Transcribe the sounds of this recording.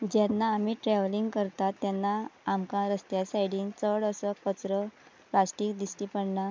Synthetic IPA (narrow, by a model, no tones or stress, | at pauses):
d͡ʑɛnːaːmiʈɾɛʋliŋɡkəɾt̪at̪ːjɛnːaːmkãɾəst̪jasajɽiːnt͡səɽəsəkkət͡sɾə | plasʈiːkd̪isʈipəɽɳa